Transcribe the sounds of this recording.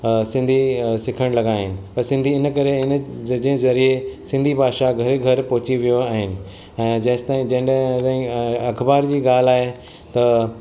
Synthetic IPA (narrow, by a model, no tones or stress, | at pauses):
sɪ̃nd̪ʱisɪkʰəɽ̃lɐɡaːɦɪnɪ̆pɐɾsɪ̃nd̪ʱiɪnkɐɾend͡ʑ̃ɦɪ̃zɐɾiesɪ̃nd̪ʱibʱaːʃaɡʱɐɾeɡʱɐɾpɔɦʊt͡ɕiʋijoaːɦɪnɪ̆ | ɛ̃ːd͡ʑɐ̃ɦɪ̃st̪aːĩd͡ʑɐ̃ɦɪ̃nt̪ãːĩɐkʰbaːɾd͡ʑiːɡaːl̤aːɦe | t̪ɐ